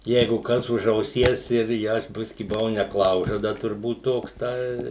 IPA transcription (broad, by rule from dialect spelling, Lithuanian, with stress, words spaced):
ˈjɛɪɡʊ ˈkɐs ʊʃ ɐʊˈsʲiɛs ɪr ˈjɛ ɪ ˈɐʃ ˈbʲɪsʲkʲɪ bʊˈʋɐʊ nʲɛˈklˠɐʊʒɐdɐ tʊrˈbuːt ˈtoːks ˈtɐɪ